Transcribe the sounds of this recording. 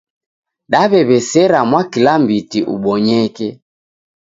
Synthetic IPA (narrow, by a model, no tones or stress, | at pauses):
ɗaβɛβɛsɛɾamwakilambitiʔṵɓɔɲɛkɛ